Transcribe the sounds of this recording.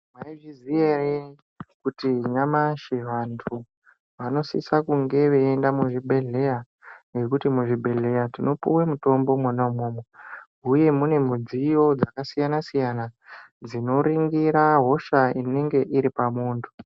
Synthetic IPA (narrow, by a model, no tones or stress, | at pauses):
maiʐizijere | kutiɲamaʃiʋantʰu | ʋano̞sḭsakuŋɡe̞ʋeːndamuʐibʱe̞ɮe̞ja | ŋɡe̞kutimuʐibʱe̞ɮe̞jatino̞pṵwemuto̞mbo̞mwanamoːmo | uje̞mune̞m̤ud͡zijo̞d͡zakasijanasijanad͡zino̞ɾiŋɡiɾaɦo̞ʃaine̞ŋɡe̞ʔiɾipamuːntʰu̥